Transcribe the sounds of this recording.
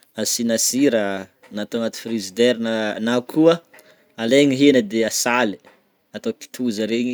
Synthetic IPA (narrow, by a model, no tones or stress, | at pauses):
asinasiɾə | nat̪oanat̪i̥frizid̪eɾnanakʰuə | aleɲiɦenəd̪easali̥ | at̪opi̥t̪ʰuzəɾeɲi